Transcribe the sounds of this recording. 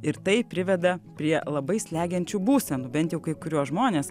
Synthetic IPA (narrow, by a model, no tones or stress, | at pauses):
ɪɾt̪ɐɪpʲɾʲɪʋʲɛd̪ɐpʲɾʲiɛlˠɐbɐɪsʲlʲæːɡʲɛnʲt͡ʃʲubuːsʲɛnubʲɛnt̪jɛʊkɐɪkʊɾʲuɔʒmoːnʲeːs